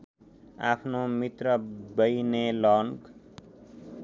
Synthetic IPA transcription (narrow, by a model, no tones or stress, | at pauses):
apʰnomit̪rʌbʌjnelʌnk